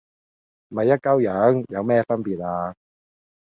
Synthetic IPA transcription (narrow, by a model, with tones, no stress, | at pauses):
mɐ˨˩jːɐ˥t̚kɐ˥wjɐ˨˥ŋjɐ˨˧wmɛː˥˩fɐ˥npiː˨˩t̚aː˧